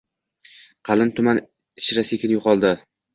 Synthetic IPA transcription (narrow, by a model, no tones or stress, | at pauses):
qʰɑlɪnt̪ʰʊman | ɪʃɾasekʲɪnjoqʰɒlˠd̪ɪ